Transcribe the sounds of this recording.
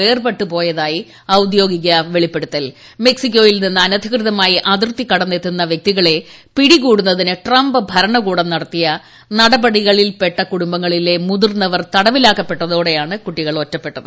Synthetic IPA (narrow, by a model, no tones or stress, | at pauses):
e̞ːrbeʈːupo̞ːjɐðaːji | ɐwud̪jo̞ːɡik̬ʲːɐʋe̞ɭipːe̞ɽut̪ːɐl | me̞ksik̬ʲːo̞ːjilninːɨɐnɐd̪ʱikrɨðɐmaːjiʔɐd̪rt̪ːikːɐɽɐnːet̪ːunːɐʋjɐk̚t̪iɣɐɭe̞piɽikuːɽunːɐðinɨʈrɐmbɨbʱɐɾɐɳɐkuːɽɐnːɐɽɐt̪ːijɐ | nɐɽɐbɐɽiɣɐɭilpe̞ʈːɐkuɽumbɐŋːɐɭile̞muðurnːɐʋɐrt̪ɐɽɐʋilaːkːɐpːe̞ʈːɐðo̞ːɽe̞jaːɳɨkuʈːiɣɐɭotːɐpːe̞ʈːɐðɨ